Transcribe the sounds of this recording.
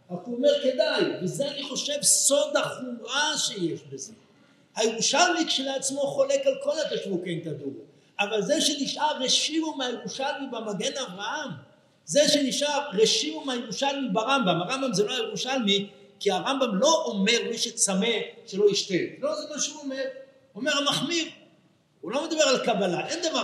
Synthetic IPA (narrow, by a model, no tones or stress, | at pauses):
akuomeʁke̞d̪ajvezeaniχo̞ʃe̞vso̞d̪aχumaʃe̞jeʃbeze̞ | hajeʁuʃalmikʃeleat͡smo̞χo̞lekalko̞lat̪aʃvukemtad̪uʁ | ʔavalzeʃe̞niʃʔaʁeʃimumajeʁuʃalmibamaɡe̞navʁaham | zeʃe̞niʃaʁʁeʃimumeajeʁuʃalmibaʁambamaʁambamzeloajeʁuʃalmikiaʁambamlo̞ʔome̞ʁmiʃet͡same̞ʃelo̞iʃt̪elozemaʃeuomeʁ | omeʁamaχmiv | ulo̞med̪abe̞ʁalkabalaʔe̞nd̪ava